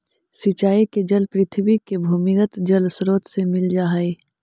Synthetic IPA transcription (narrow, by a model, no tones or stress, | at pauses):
sɪt͡ʃaːiked͡ʒɐlpɾɪt̪ʰʋikebʱuːmɪkət̪d͡ʒɐlsɾoːt̪semɪld͡ʒaːɦeː